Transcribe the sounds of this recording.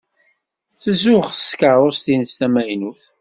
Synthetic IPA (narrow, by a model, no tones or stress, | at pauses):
θəzʊχə̥skəɾˤost̪inəst̪æmæjnuθ